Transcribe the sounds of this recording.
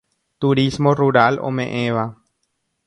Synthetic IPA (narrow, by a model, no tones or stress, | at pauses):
t̪uɾismoruɾalʔo̰mẽʔẽβa